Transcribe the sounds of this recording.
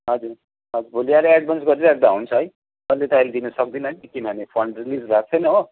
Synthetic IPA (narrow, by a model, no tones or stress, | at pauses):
ɦʌd͡zuɾ | ɦʌd͡zuɾbʱoliaɾeeɖ̚bʌnsɡʌɾiɾʌek̚d̪aɦunt͡sʰʌɦʌj | ʌlːet̪ʌʌjled̪inʌsʌk̚d̪inʌɦʌj̪ikimanepʰʌɳɖrilislaɡ̚t͡sʰʌjnʌo